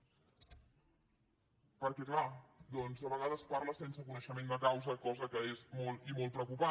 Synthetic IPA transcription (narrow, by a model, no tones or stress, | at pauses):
pəɾkɛklad̪ɔnzðəβəɣaðəspaɾləsensəkunəʃəmend̪əkawzəkɔzəkəezmɔlˠimɔlˠt̪pɾəwkupa